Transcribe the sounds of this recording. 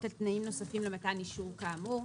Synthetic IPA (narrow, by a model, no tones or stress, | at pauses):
talt̪naimno̞safimlemataniʃukaːmu